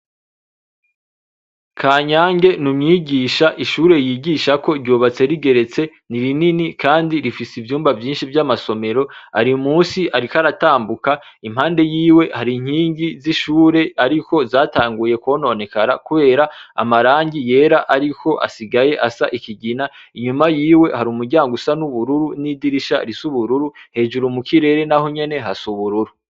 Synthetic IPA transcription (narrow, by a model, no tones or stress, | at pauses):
kʰaːɲaːŋɡe̞numɲiːɟiːʃaʔiʃuːɾe̞jiːɟiːʃako̞ɾɟoːβat͡se̞ɾiɡe̞ɾe̞t͡se̞niɾininikaːndiɾifisivjuːmbavjiːnʃivjamaso̞me̞ɾo̞a̰ɾiumuːsiaɾikaɾataːmbuka | im̥haːnde̞jiːwe̞haɾiŋ̥hiːɲɡiziʃuːɾe̞aɾiko̞zaːtaːŋɡuje̞kwo̞no̞ːne̞kaɾakuβe̞ːɾaa̰maɾaːɲɟije̞ːɾaʔaɾiko̞ʔa̰siɡaje̞ʔasaʔikiɟinaiɲumajiːwe̞haɾuːmuɾɟaːŋɡusanuβuɾuɾunidiɾiʃa̰ɾisuβuɾuɾuhe̞ːd͡ʒuɾumukiɾe̞ɾe̞nahoɲe̞ne̞ɦasuβuɾuɾu